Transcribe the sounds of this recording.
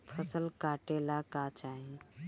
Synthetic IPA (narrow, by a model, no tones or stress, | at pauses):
pʰəsəlkaʈelakat͡ʃaɦĩ